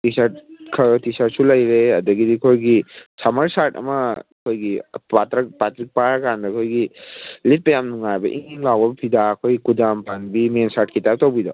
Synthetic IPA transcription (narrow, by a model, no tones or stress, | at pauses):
tisaɾt̚kʰɐtisaɾsulɐjɾeɐdɐɡidikʰojɡisamɐɾsaɾtɐ̰mɐkʰojɡipatɾɐkpatɾik̚paɾkandɐkʰojɡilit̚pɐjamnuŋajbɐ̰ʔḭŋiŋlawbɐbpʰidakʰojkudampanbimensaɾt̚kitap̚tawbida̰w